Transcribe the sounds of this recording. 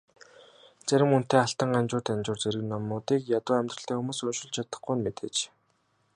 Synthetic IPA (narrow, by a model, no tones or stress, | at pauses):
t͡sæɾʲɪ̆mun̥t̪eːaɬt̪ə̆ŋɢamt͡ɕʊːrt̪æmt͡ɕʊːrt͡seɾɘ̆knɔmʊːt̪iːkjat̪ʊːæmʲt̪rə̆ɬt̪ʰæːxumuːsɵnʃɪ̆ɮt͡ɕʰat̪ə̥̆χɡujnmet̪ḛːt͡ɕ